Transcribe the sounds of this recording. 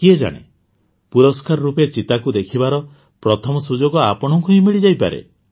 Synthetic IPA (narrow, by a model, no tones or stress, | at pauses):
kied͡ʒa̰ɽ̃ḛ | puɾɔskaɾɔɾupet͡ʃit̪akud̪ekʰibaɾɔ | pɾɔt̪ʰɔmɔsud͡ʒoɡɔapɔɽ̃ɔŋkuɦimiɭid͡ʒajpa̰ɾḛ